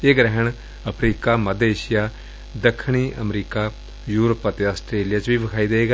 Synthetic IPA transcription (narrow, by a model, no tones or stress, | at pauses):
eːɡɾɛɦəɳ | əpʰɾiːkaːməd̪eːʃɪjaː | d̪əkʰːɳiːʔəmɾiːkaː | juːɾopːat̪eəsʈɾeːlijaːt͡ʃʋiːʋɪkʰaːiːd̪eeːɡ